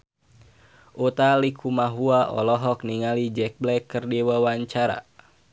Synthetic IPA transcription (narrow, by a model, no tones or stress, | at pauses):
ʔut̪alikʰumaɦuaʔɔ̰lɔɦɔk̚niŋalid͡ʒɛk̚blɛkːɨrdiwawaɲt͡ʃaɾa̰